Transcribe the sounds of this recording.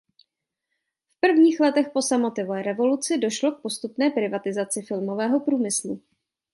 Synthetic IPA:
fpr̩vɲiːxlɛt̪ɛxpo̞samot̪ɪvoɛːɾɛvo̞lut͡sɪdo̞ʃlo̞k̚po̞st̪upnɛːpɾɪvat̪ɪzat͡sɪfɪlmo̞vɛːɦo̞pɾuːmɪslu

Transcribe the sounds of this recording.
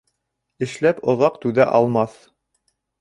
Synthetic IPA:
ɘ̆ʃlæpŏðɑqt̪ʉðæʔɑlˠmɑθ

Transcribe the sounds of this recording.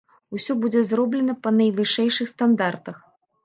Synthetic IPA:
usʲɔbud͡zʲɛzrɔblʲɛnɐpɐnɐjvɨʂɛjʂɨxst̪and̪art̪ɐx

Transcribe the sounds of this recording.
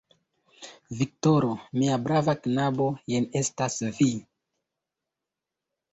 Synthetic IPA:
vik̚toɾomiabɾavaknabo̞jene̞stasvi

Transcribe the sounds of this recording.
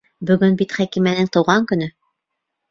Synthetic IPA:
bɵ̆ɡɵnbit̪χækimænɘŋt̪ɤ̆wʁɑŋkɵ̆nɵ

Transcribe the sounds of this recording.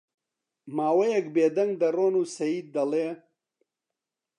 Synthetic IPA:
maːwɐjɐkbeːd̪ɐŋɡ̚d̪ɐroːnuːsɐjiːd̪ːɐleː

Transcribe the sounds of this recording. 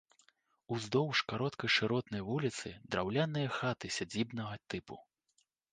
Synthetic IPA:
uzd̪ɔwʂkaɾɔt̪kɐjʂɨɾɔt̪nɐjvulʲit̪sɨ̰d̪ɾawlʲanɨjɐxat̪ɨsʲad͡zʲibnɐɣɐt̪ɨpu

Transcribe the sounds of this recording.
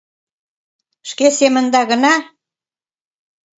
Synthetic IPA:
ʃkesemə̆nd̪ɑɣə̆nɑ

